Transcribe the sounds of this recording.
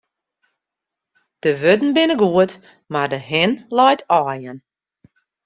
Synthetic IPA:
d̥əʋødn̩bɪnəɡuət | mardəɦɪnlɔjtʰɔːjən

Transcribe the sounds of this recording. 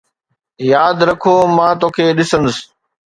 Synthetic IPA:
jaːd̪ɾɐkʰoːmãːt̪oːkʰeːɗɪsənd̪əs

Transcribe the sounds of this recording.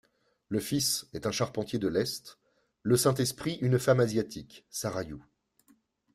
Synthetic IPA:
ləfisɛt̪ɛ̃ʃaʁpɑ̃t̪jed̪əlɛst̪ | ləsɛ̃t̪ɛspχiʔynfamazjat̪ʰiksaʁaju

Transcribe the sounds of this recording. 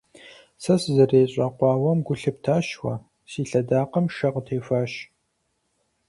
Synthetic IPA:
sɐsɨzɐreːɕʼɐqʷɑːwɐmɡʷʊɬɨp̚tʰaːʃwɐ̰ | siːɬɐdaːqəmʃɐqətʰeːfaːɕ

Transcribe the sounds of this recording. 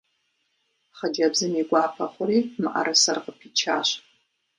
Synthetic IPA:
χəd͡ʒɐbzɨmiɡʷaːpʰɐχʷʊɾiːmaʔa̰ɾʔɐsɐrqəpʰit͡ʃʰaːɕ

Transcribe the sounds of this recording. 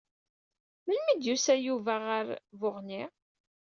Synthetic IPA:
məlmid̪jusæjuvæʁaɾvʊʁni

